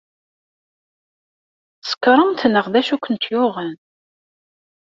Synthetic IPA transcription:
sə̥kɾˤəmt̪nəʁðæʃukʷːənt̪jʊʁən

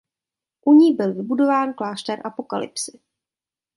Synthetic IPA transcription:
ʔuɲiːbɪlvɪbudo̞vaːnklaːʃt̪ɛɾʔapo̞ka̰lɪ̰psɪ

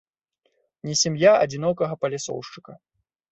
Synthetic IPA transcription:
nʲɛsʲamjaɐ̰d͡zʲinɔkɐɣɐpɐlʲasɔ̰wʂt͡ʂɨ̥kɐ

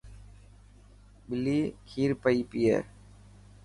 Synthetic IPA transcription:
bɪliːkʰiːɾpəiːpiːɛ̰ː

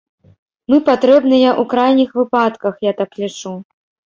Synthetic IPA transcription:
mɨpat̪ɾɛbnɨjɐʔukɾajnʲixvɨpat̪kɐxjat̪aklʲit͡ʂu

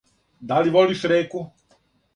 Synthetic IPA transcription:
d̪aliʋoliʃɾeːku

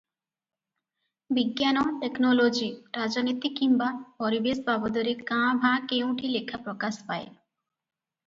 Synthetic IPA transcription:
biɡːanoʈeknolod͡ʑiɾad͡ʑonit̪ikːimbapɔɾibeʃbabod̪oɾekãbʱãkew̃ʈilekʰːapɾokaʃpaḛ

